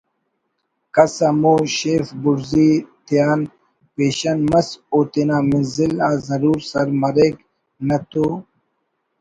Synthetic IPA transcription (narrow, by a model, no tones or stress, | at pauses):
kɐsɐmuɕeːfbuɾzit̪ijaːn | peːɕɐnmɐsoːt̪inaːmizilaːzɐɾuːɾsɐɾmɐɾeːk | nɐt̪u